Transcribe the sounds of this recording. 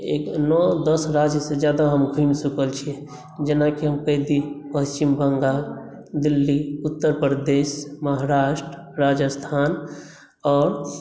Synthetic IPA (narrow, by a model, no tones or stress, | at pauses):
ḛknɔd̪əsɾad͡ʒjəsed͡ʒjad̪aɦəmɡʱumsukəlt͡ʃʰiɛ | d͡ʒenakiɦəmkəɦd̪ipəst͡ʃimbəŋɡa | d̪ilːiut̪ːəɾpɾəd̪esməɦaɾaʃʈɾəɾad͡ʒəst̪ʰan | ɔːɾ